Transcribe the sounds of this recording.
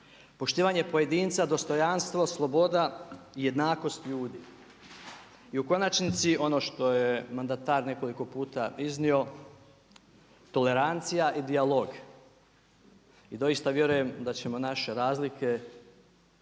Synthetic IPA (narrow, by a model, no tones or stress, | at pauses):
po̞ʃt̪iːʋaɲe̞po̞je̞d̪iːnt̪sad̪o̞st̪o̞janst̪ʋo̞slˠo̞bo̞d̪aije̞d̪naːko̞st̪ʎuːd̪iː | iuko̞nat͡ʃnit̪siʔo̞no̞ːʃt̪o̞jemand̪at̪aːɾne̞ko̞liko̞puːt̪aiznio̞ | t̪o̞le̞ɾant̪sijaʔid̪ialo̞ɡ | id̪o̞ist̪aʋje̞ɾuje̞md̪at͡ɕe̞mo̞naʃe̞ɾaːzlike̞